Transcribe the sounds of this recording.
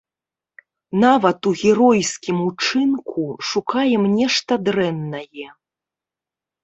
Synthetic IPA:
navɐt̪uɣʲɛɾɔjsʲkʲimut͡ʂɨnkʰuʂukajɛmnʲɛʂt̪ɐd̪ɾɛnːɐjɛ

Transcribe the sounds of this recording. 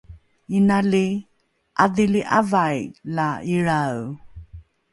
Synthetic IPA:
inali | ʔadiliʔa̰vajlaiɾaw

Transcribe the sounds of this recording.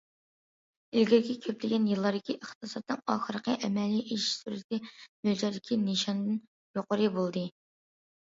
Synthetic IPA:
ɪlɡʲɪɾɡʲɛkʲʰøplɪɡʲɛnjɨlˠːɑɾd̪ɪkʲʰiʔəχt̪ʰɨsɑt̪ːɨŋɑːχəɾəqʰəʔɛmɛliʔiʃsyɾɪt̪ʰɪmøld͡ʒɑɾd̪ɪkʲʰineʃɑnd̪ɨn | joqʰoɾɨbolˠd̪ɨ

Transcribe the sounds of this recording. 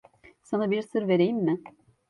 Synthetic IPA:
sanabiɾsɯɾve̞ɾejimːɪ

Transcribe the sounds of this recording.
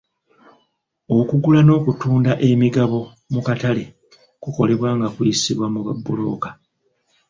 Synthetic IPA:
o̞kuɡulano̞ːkutuːndaʔe̞miɡaβo̞ | mukatale̞ | kuko̞le̞βwaːŋɡakwiisiβwamuβa̰bːulo̞̰ːka

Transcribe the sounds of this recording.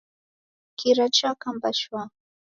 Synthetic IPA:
kɪɾat͡ʃakampaʃwa

